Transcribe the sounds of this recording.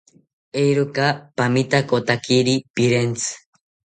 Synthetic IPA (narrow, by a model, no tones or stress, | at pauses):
ejɾokapamit̪akot̪akiɾipiɾent͡sʰɨ̥